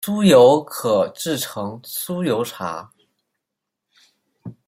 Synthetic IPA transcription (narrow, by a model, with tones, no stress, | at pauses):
su˥jo˧˥ʊkʰɤ˨˩ʈ͡ʂɻ̩˥˩ʈ͡ʂʰɤ˧˥ŋsu˥jo˧˥ʊʈ͡ʂʰa̰˧˥